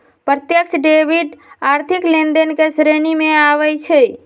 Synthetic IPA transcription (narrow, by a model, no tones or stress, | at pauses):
pɾət̪jəkt͡ʃʰəɖebiɖaɾt̪ʰiklend̪enkesɾenimeaʋɛt͡ʃʰɛ